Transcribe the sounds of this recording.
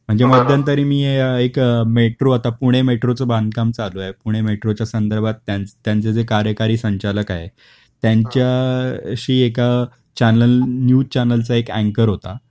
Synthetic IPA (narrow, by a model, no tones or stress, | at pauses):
m̤əɳd͡zeməd̪ʱjant̪əɾiːmiːeekmeʈɾoat̪apuɽ̃emeʈɾot͡səband̪̚ʱkamt͡saloajpuɽ̃emeʈɾot͡ɕjasənd̪əɾbʱat̪ːjant̪ːjãnt͡sed͡zekaɾjəkaɾiːsəɲt͡ɕaləka̰jḛ | t̪jaɲt͡ɕjaɕiːeka | t͡ɕænəlnjuːt͡ɕænəlt͡saekæ̃ŋkəɾɦot̪a̰